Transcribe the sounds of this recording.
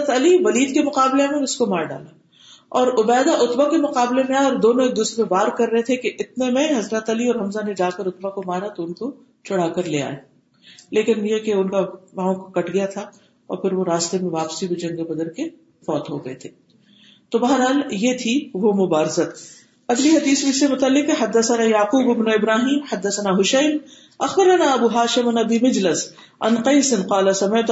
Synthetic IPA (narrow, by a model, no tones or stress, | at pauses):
ət̪ɐliʋɐliːd̪kemʊqaːblemẽɪskomaːɾɖa̰ːlaː | ɔːɾʊbɛːd̪aʔʊt̪bakemʊqaːblemẽaɔːɾd̪oːnõeːk̚d̪ʊsmẽbaːɾkɐɾːɐɦet̪ʰekeʔɪt̪̚nemẽɦɐzɾət̪ɐliɔːɾɦɐmzaned͡ʒaːkəɾʊt̪bakomaːɾat̪oʊnko | t͡ʃɐɽ̤aːkɐɾleːa̰ːe | leːkɪnjekeʊnkaʋãːõkokɐʈʰɡɐjat̪ʰa | ɔ̰ːɾpʰɪɾʋoɾaːst̪emẽʋaːpsibd͡ʒɐ̃ŋɡebɐd̪əɾke | fɔːt̪ɦoɡɐet̪ʰeː | t̪obɐɦəɾɦaːljet̪ʰiʋomʊbaːɾɪzət̪ | ɐɡliɦɐd̪iːsbɪsːemʊt̪əlːɪkeɦɐd̪ːɐsənaːjaːquːbɪbnoɪbɾaːɦiːmħɐd̪ːɐsɐnaɦʊʃɐːm | ɐxbɐɾɐnaɐbuːɦaːʃɪmɐnɐbimɪd͡ʒləs | ɐ̰nqɐɪsɪnqaːlasɐmeːt̪